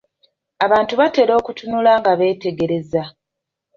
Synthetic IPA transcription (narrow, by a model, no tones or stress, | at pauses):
aβaːntuβate̞ːɾo̞ːkutunulaŋɡaβe̞ːte̞ɡe̞ɾe̞za